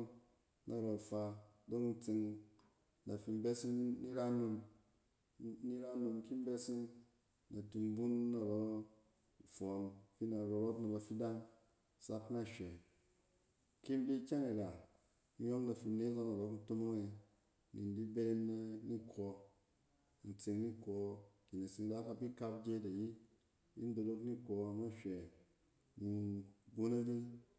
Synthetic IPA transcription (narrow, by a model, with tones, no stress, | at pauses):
nʔa˨ɾo˨fa˧do˦kn̩˦˨t͡si˧ŋ | na˨fi˧m˦be˦si˦ŋni˦ɾa˦nu˧m | ni˦ɾa˦nu˧mki˦m˦be˦si˦ŋ | na˨tu˨mbu˦nːa˨ɾo˨ | fo˨mfi˦na˨ɾo˨ɾo˦tna˨ba˨fi˦da˦n | sa˦kna˦ʃe˨ | ki˦m˦di˦kʲa˦ne˨ɡa˨˦ | jo˦mna˨fi˧ne˦za˦na˨ɾo˦kn̩˦to˦mo˦ŋe˧ | ni˨ndi˦be˦ɾe˦me˦ni˦kʰo˧˨ | n̩˨t͡se˧ŋni˦ko˨ki˨ne˨si˨ŋ˦da˦ka˧bi˦ka˧pd͡ʒe˦ta˨ji˦ | i˦n˦do˨do˧kni˦ko˨na˦ʃʷɛ˨ | ni˨bu˦na˦di˦